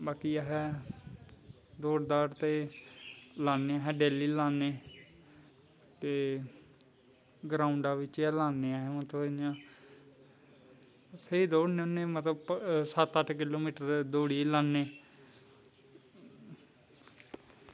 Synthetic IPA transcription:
baːkiːaːɦɛː | d̪oːɽd̪aːɾt̪eː | laːneːaːɦɛːɖeːliːlaːneː | t̪eː | ɡɾaːʊɳɖaːʋɪt͡ʃaːlaːneːaːɦɛːmət̪əɪjãː | səiːd̪oːɽneʊnẽːmət̪əbsət̪əʈʰkɪloːmiːʈəɾd̪oːɽiːlaːneː

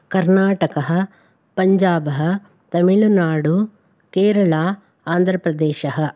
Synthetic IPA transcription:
kɐɾnaːʈɐkɐɦɐ̆ | pɐɲd͡ʒaːbɐɦɐ̆ | t̪ɐmiɭunaːɽu | keːɾɐɭaː | aːnd̪ʱɾɐpɾɐd̪eːʃɐɦɐ̆

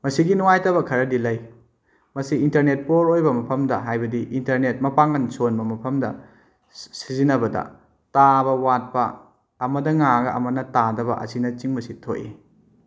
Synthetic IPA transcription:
mɐsiɡinuwajtɐbɐkʰɐɾɐdilɐj | mɐsiintɐɾnet̚poɾojbɐmɐpʰɐmdɐ̰ɦajbɐdiʔintɐɾnet̚mɐpaŋɐnsonbɐmɐpʰɐmdɐ̰ | sizinɐbɐdɐ̰ | tabɐwat̚pɐː | mɐdɐŋaɡɐʔɐmɐnɐtadɐbɐ̰ʔɐ̰sinɐt͡ʃiŋmɐsitʰoʔḛ

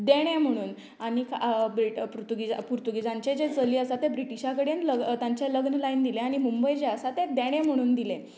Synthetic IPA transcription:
d̪eɽ̃ẽm̤əɽ̃uːn | aɽ̃ikabɾiʈpɾut̪uɡid͡zapuɾt̪uɡid͡zãɲt͡ɕed͡ʑet͡səliːəsat̪ebɾiʈiɕakəɽenləɡt̪jãɲt͡ɕeləɡnəlaind̪ileaɽ̃imumbəjd͡ʑeəsat̪ed̪eɽ̃ẽm̤əɽ̃uːnd̪ile

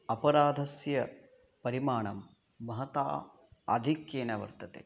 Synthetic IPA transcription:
ɐpɐɾaːd̪ʱɐsjɐ | pɐɾimaːɳɐmː | ɐɦɐt̪a̰ː | ɐ̰d̪ʱikjeːnɐʋɐ̰ɾt̪ɐt̪ḛː

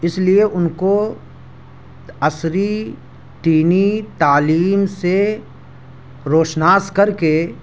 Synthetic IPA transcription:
ɪslieʔʊnko | ɐsɾi | ʈ̪iːnit̪aːliːmse | ɾoːʃnaːskɐɾke

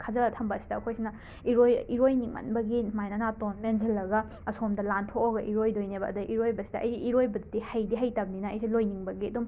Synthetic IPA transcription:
kʰazɐlɐtʰɐmbɐːsi̥dɐːkʰojsinɐ | iɾojiɾojniŋɐ̰nbɐɡimajnanatonmenzɐlːɐɡɐ | ɐsomdɐlantʰokoɡɐʔiɾojdojnebɐɐ̰dɐʔiɾojbɐsi̥dɐʔɐjziʔiɾojbɐdudihɐjdiɦɐjtɐb̚ninɐɐjselojniŋbɐɡiɐdum

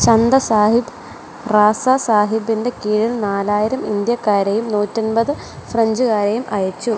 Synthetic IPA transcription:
t͡ɕɐnd̪ɐsaːɦib | raːsɐsaːɦibːinde̞kiːɻinnaːlaːjiɾɐmind̪jɐkːaːɾɐjumnuːtʲːonbɐðɨ | freɲd͡ʑuɣaːɾɐjumʔɐjɐt͡ɕːu

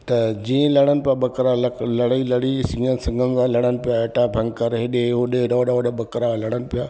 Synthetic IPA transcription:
t̪ɐd͡ʑĩːẽlɐɽ̤ənɪ̆pɪjaɓɐkɾalɐlɐɽilɐɽisĩːənsɐ̃ŋɡʱənɪzãːlɐɽənɪ̆pijaɐʈabʱɐ̃ŋɡkɐɾɦeɗeɦoɗeɾoːɽaʋɗaɓɐkɾalɐɽ̤̃ənɪ̆pɪjaː

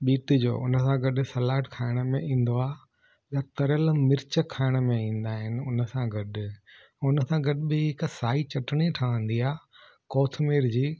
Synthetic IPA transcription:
ɓiːʈd͡ʑo̰ːʔʊnəsãɡɐɗ̆sɐlaːʈkʰaːɪɽ̃mẽĩːn̆d̪oaː | jat̪ɐɾəlmɪɾt͡ɕəkʰaːɪɽ̃mẽĩːn̆d̪aːɦɪnɪ̆ʊnəsãɡɐɗɪ̆ | ʊnəsãɡɐɗbɪɪksaːit͡ɕɐʈɽ̃iʈʰaə̃n̆d̪iaː | koːt̪ʰmeːɾd͡ʑiː

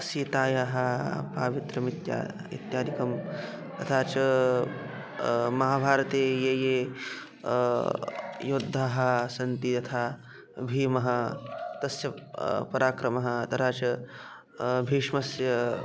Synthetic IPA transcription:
ɐsjiːt̪aːjaːɦɐ̆pa̰ːʋit̪ɾɐmit̪ja̰ː | ḭt̪jaːd̪ʱikɐm | t̪ɐt̪ʰaːt͡ʃɐ | mɐɦaːbʱaːɾɐt̪eːjeːjeː | jod̪ʱːaːɦɐ̆sɐnt̪it̪ɐt̪ʰaː | bʱiːmɐɦɐ̆t̪ɐsjɐpɐɾaːkɾɐmɐɦɐ̆t̪ɐt̪ʰaːt͡ʃɐ | bʱiːʂmɐsjɐ

